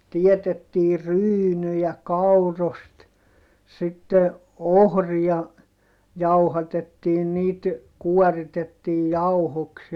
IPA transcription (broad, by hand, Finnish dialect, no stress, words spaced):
tietetːiːr̆ ryːnyjæ kɑurost sitːe ohriɑ jɑuhɑtetːiːn niːt kuɔritetːiːj jɑuhoks